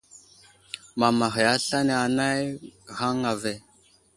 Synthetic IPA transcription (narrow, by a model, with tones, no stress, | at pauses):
ma˨ma˨ɦe˨ja˦ɬa˦ne˨a˨na˦jɣa˦ŋa˨ve˦˨